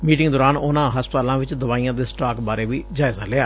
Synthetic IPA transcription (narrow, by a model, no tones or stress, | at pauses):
miːʈɪŋɡd̪oːɾaːnʊnãːɦəspt̪ːlãːʋɪt͡ʃd̪əʋaːiːãːd̪eːsʈaːkbaːɾeːʋiːd͡ʒaːɪzaːlɪaː